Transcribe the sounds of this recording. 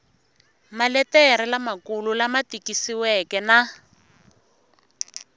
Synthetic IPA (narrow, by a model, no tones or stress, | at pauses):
malɛtɛɾɛlamakululamatikisiwɛkɛna